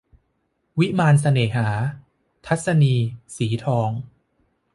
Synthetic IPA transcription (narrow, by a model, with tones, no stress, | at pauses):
wi˦˥maː˧ns̬a˧neː˨˩ɦaː˩˦ | t̪ʰa˦˥t̪̚sa˧niː˧siː˩˦t̪ʰɔː˧ŋ